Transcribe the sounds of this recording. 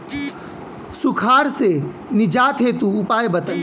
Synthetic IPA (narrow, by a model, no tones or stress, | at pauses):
sukʰaːɾse | nɪd͡ʒaːt̪ʰɦet̪uʊpaːjbət̪əl